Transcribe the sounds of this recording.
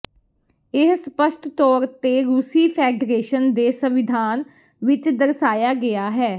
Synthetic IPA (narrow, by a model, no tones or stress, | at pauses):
ɪsspəʃʈt̪ɔːɾt̪eːɾuːsiːpʰɛːɖɾeːʃənd̪eːsəʋɪd̪ʱaːn | ʋɪt͡ʃd̪əɾsaːjaːɡɪjaːɦɛː